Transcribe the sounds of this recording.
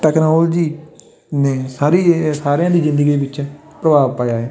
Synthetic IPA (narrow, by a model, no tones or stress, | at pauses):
ʈɛːknoːld͡ʒiː | neːsaːɾiːsaːɾejãːd̪iːzɪ̃nd̪əɡiːʋɪt͡ʃ | pɾəbaːʋpaːjaːɛː